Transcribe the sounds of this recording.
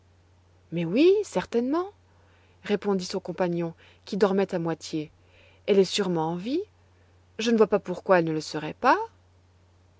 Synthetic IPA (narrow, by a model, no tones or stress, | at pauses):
mɛwisɛʁt̪ɛnmɑ̃ | ʁepɔ̃d̪isɔ̃kɔ̃paɲjɔ̃ | kʲid̪ɔʁmɛt̪amwat̪je | ɛlɛsyʁmɑ̃ːvi | ʒənəvwapapuʁkwaɛlnələsəʁɛpa